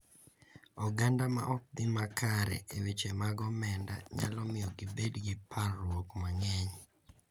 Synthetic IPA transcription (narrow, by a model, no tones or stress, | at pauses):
ɔɡandama̰ʔɔk̚d̪ɪmakʰaɾɛ̰ʔewet͡ʃemaɡɔmɛnda̰ɲa̰lɔmɪjɔɡɪbedɡɪpʰarwokmaŋɛɲ